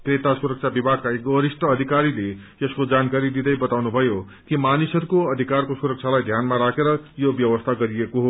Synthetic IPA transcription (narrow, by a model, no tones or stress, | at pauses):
kret̪asuɾʌk̚t͡ʃʰabibʱakːaekoɾisʈʌːd̪ʱikaɾile | jʌskod͡zankaɾid̪id̪ʌjbʌt̪awnubʱʌjo | kimanisʌɾukoʌd̪ʱikarkosuɾʌk̚t͡sʰalajd̪ʱjanmaɾakeɾʌjobjʌwʌst̪ʰaɡʌɾiekoɦo